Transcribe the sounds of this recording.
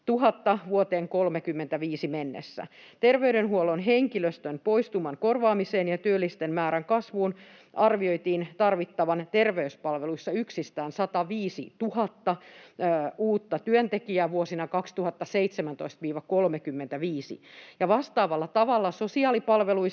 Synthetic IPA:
t̪uɦɑt̪ːɑʋuot̪eːŋkolmekymːent̪æʋiːsimenːḛsːæ̰ | t̪erʋeyɾenɦuolonɦeŋkiløst̪ønpoist̪umɑŋkorʋɑːmiseːnjɑt̪yølːist̪enmæːɾæŋkɑsʋuːn | ʔɑrʋioit̪iːnt̪ɑrʋit̪ːɑʋɑnt̪erʋeyspɑlʋeluisːɑyksist̪æːnsɑt̪ɑʋiːsḭt̪uhɑt̪ːɑ | uːt̪ːɑt̪yønt̪ekiæːʋuosinɑkɑkst̪uhɑt̪ːɑseit̪semænt̪oist̪ʋiːʋɑkolmekymːent̪æʋiːsḭjɑʋɑst̪ɑːʋɑlːɑt̪ɑʋɑlːɑsosiɑːlipɑlʋelui

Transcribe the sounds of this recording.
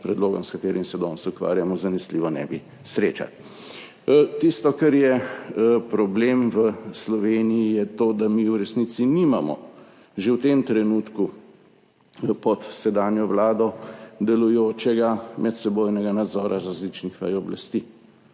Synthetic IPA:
pɾɛd̪loːɡɔ̰mskat̪eːɾimsɛd̪ɔːnsukʋa̰ːɾjamɔzanɛsliːʋɔnɛ̰bi | sɾeːt͡ʃa̰t̪ | t̪ist̪ɔkaɾjɛ | pɾɔblemʋəslɔʋeːnijijɛt̪od̪amiuɾɛsniːt̪sinimamɔ̰ | ʒewt̪emt̪ɾɛnuːt̪ku | pɔt̪sɛd̪aːnjɔʋlaːd̪ɔd̪ɛlujoːt͡ʃɛɡamʔɛt̪sɛboːjnɛɡanad̪zɔːɾʔaɾazlit͡ʃnixʋajɔblast̪i

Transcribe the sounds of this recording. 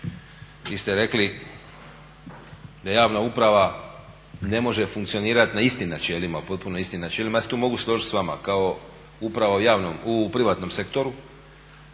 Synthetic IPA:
ʋiːst̪eɾe̞kli | d̪ajaːʋnaupɾaʋa | ne̞mo̞ʒe̞fuŋkt̪sio̞niːɾat̪naist̪imnat͡ʃe̞limapo̞t̪̚punoist̪imnat͡ʃelimajast̪uːmo̞ɡuslˠoʒit̪sʋama̰kao̞ | upɾaʋaujaːʋnomupɾiʋat̪no̞mse̞kt̪o̞ɾu

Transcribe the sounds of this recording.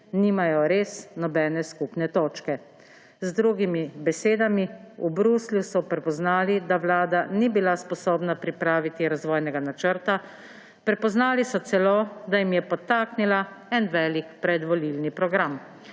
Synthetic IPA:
niːmajɔɾeːsnɔbɛːnɛskupnɛt̪oːt͡ʃkɛ | zd̪ɾuːɡimibɛseːd̪amiubɾuːsljusɔpɾɛpɔznaːlid̪aʋlaːd̪anibilaspɔsoːbnapɾipɾaːʋit̪iɾazʋɔːjnɛɡanat͡ʃəɾt̪a | pɾɛpɔznaːlisɔt̪sɛloːd̪ajimjɛpɔt̪aːknilaɛnʋɛːlikpɾɛd̪ʋɔlilnipɾɔɡɾam

